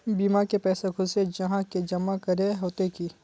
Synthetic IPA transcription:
biːmakepɛːsekʰʊsed͡ʒɐɦãked͡ʒɐmakɐɾeɦoːt̪ekiː

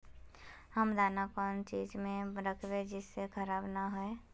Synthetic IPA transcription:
həmd̪aːnakɔːnt͡ʃiːd͡ʒmẽɾəkʰbed͡ʒɪsːekʰəɾaːbnaɦʊe

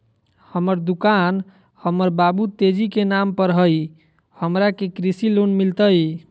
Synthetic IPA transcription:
həməɾd̪ukan | həməɾbabut̪ed͡ʒikenampəɾɦəj | həmɾakekɾisilonmilt̪əj

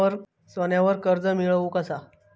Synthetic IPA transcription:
əɾ | sʋənjaʋəɾkəɾd͡zəmiɭʋuːkəsa

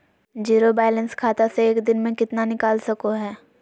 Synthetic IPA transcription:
d͡ʒiːɾobɛːlə̃nskʰaːt̪aseeːkd̪ɪnmẽkɪt̪nanɪkaːlsɐkoɦɛː

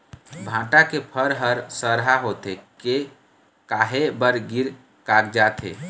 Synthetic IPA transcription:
bʱãːʈakepʰəɾɦəɾsəɾɦaɦot̪eke | kaːɦebəɾɡiɾ | kaːɡd͡ʒaːt̪ʰḛː

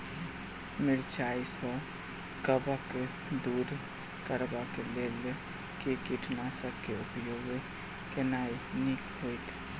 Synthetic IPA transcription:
mɪɾt͡ʃaːisɔ | kəbəke | d̪uːɾ | kəɾbakeleːl | kekiʈʰnasəkeʊpjoːɡ | kɪnaːinikɦoːit̪ʰː

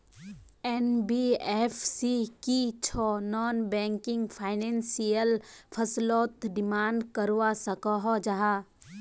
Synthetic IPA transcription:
ɛnbiefsikit͡ʃʰɔːnɔːnbɛ̃ːŋkɪ̃ŋɡpʰaːɪnɛ̃ːnsijəlpʰɐslɔːt̪ɖɪmaːɳɖkəɾwasɐkɔɦɔd͡ʒaɦaː

